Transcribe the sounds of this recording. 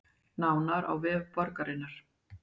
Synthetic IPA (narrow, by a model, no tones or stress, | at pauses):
naːwnaɾa̰wvɛːvpɔɾkaɾɪnːaɾ̥